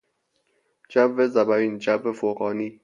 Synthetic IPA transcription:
d͡ʒæbːezæbæɾiːnd͡ʒæbːefoɣɒːniː

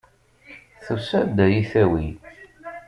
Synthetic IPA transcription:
θusæd̪æjiθæwḭ

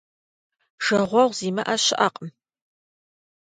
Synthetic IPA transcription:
ʒ̥ɐʁʷɔʁʷziːmɐʔɐɕɪʔɐqʼəm

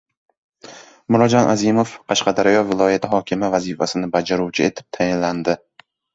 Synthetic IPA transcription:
mʊɾɒd͡ʒanʔa̰zimofqʰɑʃqʰɑd̪aɾajɒvɪlˠɒjat̪ɪhɒkʲʰɪmɪvazifasɪnɪbad͡ʒaɾuwt͡ʃʰɪe̞t̪ʰɪ̥p̚t̪ʰajɪnland̪ɪ

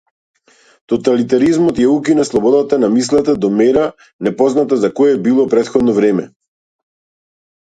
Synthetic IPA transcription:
t̪ɔt̪alit̪aɾizmɔt̪jaukinɛslˠɔbɔd̪at̪anamislɛt̪ad̪ɔmɛɾa | nɛpɔznat̪azakɔjɛbilˠɔpɾɛt̪xɔd̪nɔvɾɛmɛ

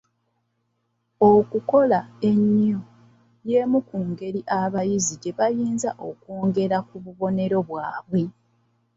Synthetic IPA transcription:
okuko̞lae̞ɲːo̞ | je̞ːmukuːŋɡe̞ɾiʔaβajiziɟe̞βajiːnza̰ʔo̞koːŋɡe̞ɾakuβuβo̞ne̞ɾo̞βwaːβwe̞

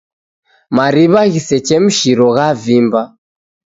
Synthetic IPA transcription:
maɾiβaɣisɛt͡ʃɛm̩ʃiɾɔɣavimba

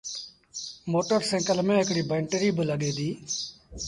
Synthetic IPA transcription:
moːʈəɾsɛ̃ːŋkəlmẽːɪkɽiːbẽːɳʈɾiːbələɠeːd̪iː

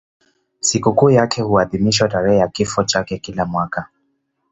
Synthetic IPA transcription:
sikukuːjakʰɛhuaðimiʃ̬wataɾɛhɛjakifɔt͡ʃakɛkilamwaka

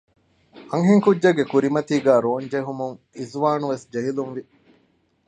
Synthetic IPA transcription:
ɐŋɦeŋkudːɐɡekuɾimɐt̪iːɡæːɾoːɲd͡ʒeɦumuŋ | izʋaːnuʋesd͡ʒeɦiluŋʋi

